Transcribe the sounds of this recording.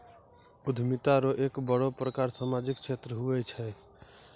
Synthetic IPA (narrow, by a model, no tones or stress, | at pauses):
ud̪ʱmit̪aɾɔʔekbəɽopɾəkaɾsamad͡ʒikt͡ʃʰet̪ɾəɦuɛt͡ʃʰɛ